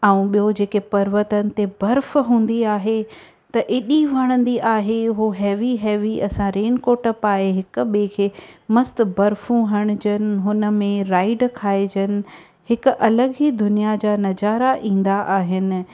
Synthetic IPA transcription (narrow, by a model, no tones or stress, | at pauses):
aːũɓijod͡ʑeːkepɐɾʋət̪ənɪ̆t̪ebɐɾfɦũːn̆d̪iaːɦe | t̪ɐʔɪɗiʋɐɽ̃ə̃nd̪iʔaːɦeɦuɦɛːʋiɦɛːʋiɐsãɾeːnkoːʈəpaːɦeɦɪkʊ̆ɓekʰeːmɐst̪ʊ̆bɐɾfũɦɐɽ̃ʊd͡ʑənɪ̆ɦʊnə̆mẽɾaːɪɖkʰaːed͡ʑənɪ̆ | ɦɪkʊ̆ʔɐləɠɦid̪ʊnijad͡ʑaːnɐd͡ʑaːɾaʔĩːn̆d̪aʔaːɦɪnɪ̆